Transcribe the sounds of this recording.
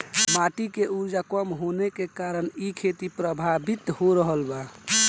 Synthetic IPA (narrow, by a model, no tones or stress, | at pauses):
maʈikeuɾd͡ʒakəmɦonekekaɾənikʰet̪ipɾəbʱabit̪ɦoɾəɦəlba